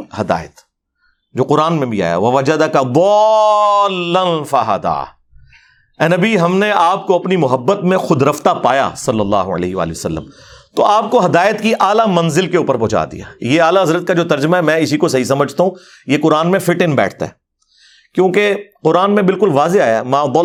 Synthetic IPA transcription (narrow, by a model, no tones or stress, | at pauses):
hɐd̪a̰ːjət̪ | d͡ʒoːqʊɾaːnmẽbʱia̰ːja̰ʋɐʋɐd͡ʒɐd̪ɐkab̪ɔː | lːɐnfɐɦɐ̰d̪a̰ː | ɛ̃ːnɐbiɦɐmneʔaːp̚koɐpnimʊɦəbːət̪mẽxʊd̪ɾɐft̪apa̰ːja̰sɐlːɐlːa̰ːɦoɐ̰lḛːɦɪʋa̰ːleʋɐsɐlːə̰m | t̪o̰aːp̚koɦɐd̪aːjət̪kiʔaːlamɐ̃nzɪlkeuːpəɾbʊt͡ʃa̰ːd̪ḭja̰ːjeaːlaɦɐzɾət̪̚kad͡ʒoːt̪ɐɾd͡ʒəmaɦɛmɛ̃ɪsikosɐɦisɐməd͡ʒʱt̪aɦũ | jeqʊɾaːnmẽfɪʈɪ̃nbɛ̰ːʈʰt̪a̰ɦɛː | kjõːkeqʊɾaːnmẽbɪlkʊlʋaːzeaːjaɦɛmãːd̪ɔː